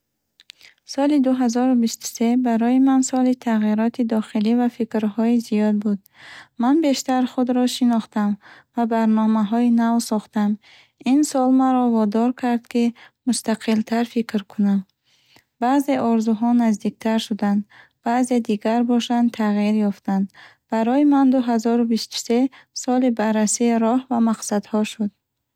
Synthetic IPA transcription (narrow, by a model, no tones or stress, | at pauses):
sɔlid̪uɦazɔɾubist̪u̥se̞baɾɔjimansɔlit̪ʰaʁiɾɔt̪ʰid̪ɔχilivafikɾhɔizijɔd̪̚bud̪̚ | manbe̞ʃt̪aɾχud̪ɾɔʃinɔχt̪amvabaɾnɔmaɦɔinavsɔχt̪am | insɔlmaɾɔvɔd̪ɔɾkʰaɾd̪kimust̪aqʰilt̪ʰaɾfikʰɾkʰunam | baze̞ʔɔɾzuɦɔnazd̪ik̚t̪ʰaɾʃud̪and̪ | b̥aːze̞d̪iɡaɾbɔʃant̪ʰaʁiɾjɔft̪and̪ | b̥aɾɔimand̪uɦazɔɾubist̪u̥se̞sɔlibarːasiːɾɔhvamaqsad̪hɔʃud̪̚